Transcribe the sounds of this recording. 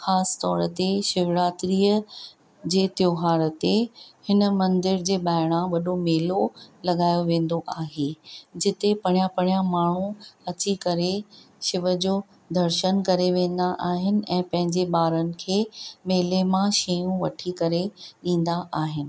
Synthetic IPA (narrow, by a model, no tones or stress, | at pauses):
xaːst̪ɔːɾət̪eʃɪʋɾaːt̪ɾiːə | d͡ʑeːt̪joːɦaːɾət̪ehɪnəmɐ̃nd̪ɪɾd͡ʑeːɓaːɪɽ̃ãʋɐɗomeːlolɐɠaːjoʋẽːn̆d̪oʔaːɦeːd͡ʑɪt̪epɐɽ̃japɐɽ̃jamaːɳ̤ũɐt͡ɕikɐɾe | ʃɪʋə̆d͡ʑoː | d̪ʱɐɾʃənkɐɾeʋẽːn̆d̪aʔaːɦɪnɪ̆ɛ̃ːpɐ̃ɦɪ̃ɲd͡ʑeɓaːɾənɪ̆kʰeːmeːlemãʃejũʋɐʈʰikɐɾeɗĩːn̆d̪aʔaːɦɪnɪ̆